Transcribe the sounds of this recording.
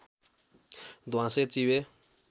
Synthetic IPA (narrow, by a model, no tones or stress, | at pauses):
d̪waset͡siwɛː